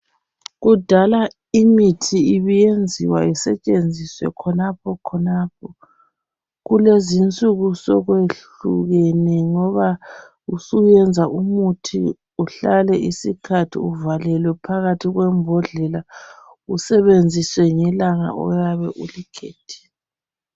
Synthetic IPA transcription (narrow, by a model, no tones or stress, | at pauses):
ɣud̥ʱala | imitʰiiβijend͡zʱiwaisɛt͡ʃʼend͡zʱiswɛ̰kʰɔnap̚ʰɔkʰɔnap̚ʰɔ | ɣulezint͡sʼuɣusɔɣweɬ | uɣenɛŋɔβa | usujɛnd͡zʱaʔumutʰḭ | uɬalɛʔisikʰatʰḭuvalɛlwɛpʰaɣatʰiɣwɛmbʱɔɮɛla | usɛβend͡zʱiswɛŋɛlaŋa̰ʔɔ̰jaβɛʔulikʰeːtʰɛ̥